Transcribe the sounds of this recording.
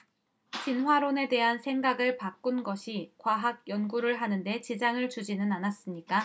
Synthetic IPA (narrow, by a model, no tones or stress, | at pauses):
t͡ɕinɦwaɾone̞de̞ɦansʰe̞ŋɡaɡɯɭpak͈̚unɡʌɕʰikwaɦaɡ̚jʌnɡuɾɯɭɦanɯnde̞t͡ɕid͡ʑaŋɯɭt͡ɕud͡ʑinɯnanas͈ɯmɲik͈a